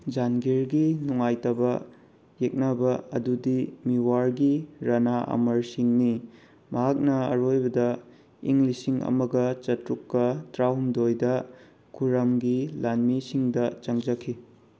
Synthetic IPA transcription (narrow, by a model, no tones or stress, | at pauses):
d͡ʒanɡiɾɡinuŋajtɐbɐ | jek̚nɐbɐɐdudimiwaɾɡiɾɐnaʔɐ̰mɐɾsiŋni | mɐɦak̚nɐɐ̰ɾojbɐdɐ | iŋlisiŋɐ̰mɐɡɐt͡ʃɐtɾukːɐtɾawmdojdɐ | kʰuɾɐmɡilanmisiŋdɐt͡ʃɐŋd͡ʒɐkʰːi